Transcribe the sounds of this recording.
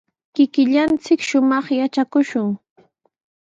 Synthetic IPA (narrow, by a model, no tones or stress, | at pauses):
kɪkɪʎant͡sɪkʃʊmɑχjat͡ʃakʊʃʊŋ